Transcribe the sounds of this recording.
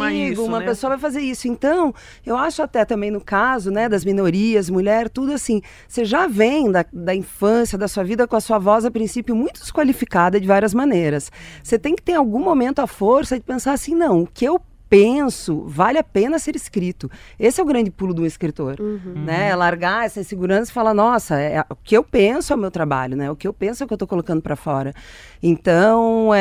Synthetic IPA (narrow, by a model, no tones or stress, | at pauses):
miɡʊ̃mɐpesoɐvajfazeɾisʊẽnt̪ɐ̃w̃ | ewaʃʊat̪ɛt̪ɐ̃mbẽj̃nʊkazʊnɛd̪ɐzminoɾiɐzmuʎɛɾt̪ud̪ʊasĩ | seʒavẽj̃d̪ɐd̪ɐĩfɐ̃sijɐd̪ɐsuɐvid̪ɐkõɐsuɐvɔzɐpɾĩsipjʊmũj̃t̪ʊdɪ̥skwalifikad̪ɐd͡ʒɪvaɾiɐzmɐ̃nejɾɐsset̪ẽj̃kɪ̥t̪ẽɾ̃awɡũmomẽnt̪ʊɐfoɾsɐd͡ʒɪpẽsaɾasĩnɐ̃w̃ʊkɪew | pẽsʊvalɪapẽnɐseɾɪskɾit̪ʊesɪɛʊɡɾɐ̃nd͡ʒɪpulʊd̪ũeskɾit̪oɾnɛlaɾɡaɛsɐĩseɡuɾɐ̃sɐzɪ̥falanɔsɐɛʊkɪewpẽsʊɛwmewt̪ɾaba̰ʎʊnɛʊkɪewpẽsʊɛkewt̪okolokɐ̃nd̪ʊpɾɐfɔɾɐ | ẽnt̪ɐ̃w̃